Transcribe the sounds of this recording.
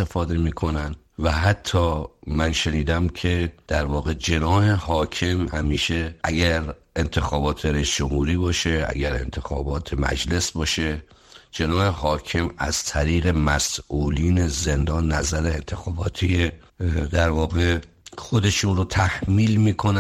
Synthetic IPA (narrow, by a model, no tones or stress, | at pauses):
efɒːd̪e̞miːkʰo̞næn | væhæt̪ʰːɒːmænʃeniːd̪æmkʰe̞d̪̥æɾvɒːɣe̞d͡ʒenɒːhe̞hɒːkʰe̞mhæmiːʃe̞ʔæɡæɾʔent̪ʰe̞xɒːbɒːt̪ʰeɾeiːsd͡ʒomhuːɾiːbɒːʃe̞æ̰ɟæɾe̞̰nt̪ʰexɒ̰ːbɒːt̪ʰe̞mæ̰d͡ʒle̞sbɒːʃe | d͡ʒe̞nɒːhe̞hɒːcʰe̞mæ̰z̥t̪ʰæɾiːɣe̞mæsʔuːliːne̞ze̞nd̪ɒːnːæzæɾeent̪ʰexɒːbɒːt̪ʰie | d̪æɾvɒːɣe̞ | xod̪e̞ʃuːnɾot̪ʰæhmiːlmiːkʰon